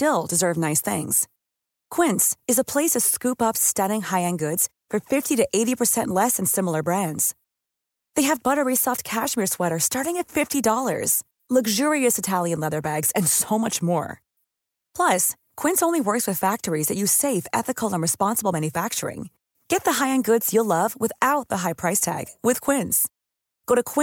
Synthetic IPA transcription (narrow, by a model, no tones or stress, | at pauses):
tɪlˠdɨzɜ˞vnaɪsθɪ̰̃ŋz̥ | kʰw̥ɪ̃ntsɨzəpʰl̥eɪsʌv̥skʉpʌpstʌɾɪ̃ŋhaɪɨ̃nɡʊdz̥fə˞fɪftiɾɨʔeɪɾipʰə˞sɛ̃nʔˡlɛsɨ̃n̩sɪ̃ml̩ˠə˞bɹæ̃ndz̥ | ðeɪɨvbʌɾə˞isɔft̚kʰæʃmɪɹswɛɾə˞stɑɹɾɪ̃ŋɨtfɪftidɔlˠə̰˞z̥ | lʌɡʒʊɹiɨsɨtʰælˠjɨ̃nlɛðə˞bæɡz̥ɨ̃nsoʊmʌt͡ʃmɔ̰ɹ | pʰl̥ʌs | kʰw̥ɪ̃nsõʊ̃nliwɜ˞kswɨð̥fæk̚tə˞izðɨt͡ʃɨz̥seɪfɛ̰θɨkʰl̩ˠə̃nɹɨspɑ̃nsəbl̩ˠmæ̃njɨfæk̚t͡ʃə̰˞ɪ̰̃ŋ | ɡ̥ɛt̪̚ðɨɦaɪɨ̃nɡʊdz̥jəlʌvwɨθaʊt̪̚ðəɦaɪpʰɹ̥aɪstʰæ̰ɡ̥wɨð̥kʰw̥ɪ̃nz̥ | ɡ̥oʊɾɨkʰw̥ɪ̃